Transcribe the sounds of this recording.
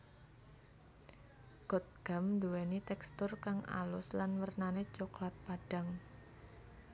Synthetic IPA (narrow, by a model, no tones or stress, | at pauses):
ɡ̥ɔ̤t̪̚ɡ̥a̤mnd̪uwɛnit̪ɛkst̪ʊrkaŋʔa̰lʊslanwərnane̥t͡ʃoklat̪̚paɖ̥a̤ŋ